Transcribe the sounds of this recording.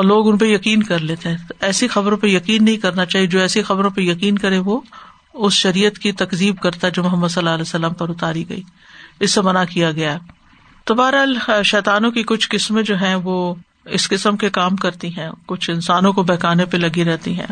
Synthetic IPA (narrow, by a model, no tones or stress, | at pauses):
loːɡʊnpejɐkiːnkɐɾleːt̪eɦɛ̃ːt̪ɛːsixɐbɾõpejɐkiːnːɐɦĩkɐɾnat͡ʃaːɦied͡ʒoːɛːsixɐbɾõpejɐkiːnkɐɾẽʋo | ʊsʃɐɾiːjət̪kit̪ɐkziːbkɐɾt̪aɦɛd͡ʒoːmʊɦəmːəd̪sɐlːaːɐlɛːsːɐlaːmpɐɾʊt̪aːɾiɡɐ̰iː | ɪsːemɐnakijaɡɐjaɦɛː | t̪obaːɾaːlʃɛːt̪aːnõkikʊt͡ʃʰkɪsmẽd͡ʒoːɦɛ̃ʋoː | ɪskɪsəmkekaːmkɐɾt̪iɦɛ̃ːkʊt͡ʃʰɪ̃nsaːnõkobɛːkaːnepelɐɡiɾɛɦt̪iɦɛ̰̃ː